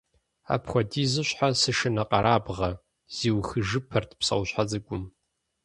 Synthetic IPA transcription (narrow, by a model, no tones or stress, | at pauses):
a̰ːpxʷɔdiːzɨɕħasɨʂɨnɐqʼɐɾaːbʁɐ | z̥iːwxɨʒɨpʰɐrtʰpsɐ̰wʷɕħazɨɡʷʼʊm